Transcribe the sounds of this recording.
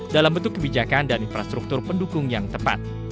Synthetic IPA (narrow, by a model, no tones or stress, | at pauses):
dalambənt̪̬ʊkːəbid͡ʒakandaninfɾast̪ɾuk̚t̪ʊrpəndukʊŋjaŋt̪əpa̰t̪̚